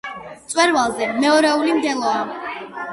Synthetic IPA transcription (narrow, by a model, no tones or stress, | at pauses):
sʼwɛɾvalˠzɛmɛɔɾɛulimd̪ɛlˠɔa